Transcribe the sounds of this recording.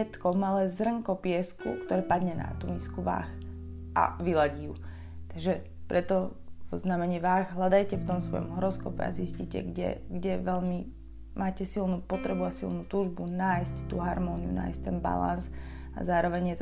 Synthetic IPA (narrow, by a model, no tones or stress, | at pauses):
ɛt̪kɔmalɛzrəŋkɔpɪɛskṵkt̪ɔɾɛpad̪ɲɛna̰t̪umiskuʋa̰ːx | ʔa̰ʋilaɟiju | t̪aɡʒɛ | pɾʔɛt̪ɔɔznamɛɲiːʋaːɣɦlad̪ajcɛft̪ɔmsʋɔ̰jɔ̰mɦɔɾɔskɔpɛ̰a̰zisciːcɛ̰ɡɟɛ̰ɡɟɛʋɛʎmi | mʔaːcɛsilnuːpɔt̪ɾɛbuasilˠnuːt̪uːʒbunaːjsct̪ṵːɦaɾmɔːniṵna̰ːjsct̪ɛnba̰la̰nz | a̰zaːɾɔʋɛɲjɛt̪